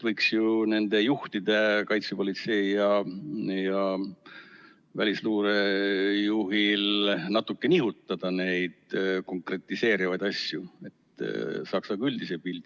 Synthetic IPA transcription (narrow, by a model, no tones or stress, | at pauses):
vɤjksjune̞nd̪e̞juht̪id̪̥e̞kɑjt̪supo̞lit̪se̞ijɑ | jɑ | vælʲisluːɾejuɦilnɑt̪ːˑukːe̞niɦut̪ːˑɑd̪̥ɑne̞jd̪̥ko̞ŋkre̞t̪ːˑise̞ːɾivɑjd̪̥ɑsjue̞t̪ːsɑksɑɡɑylʲd̪̥isebild̪̥i